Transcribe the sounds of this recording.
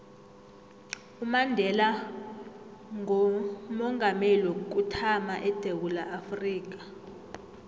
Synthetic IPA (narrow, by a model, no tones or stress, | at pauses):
umandʱɛla | ŋɔmɔŋʱamelwok̬ʼutʰamaʔɛd̥ʱewulaʔafriːk̬ḁ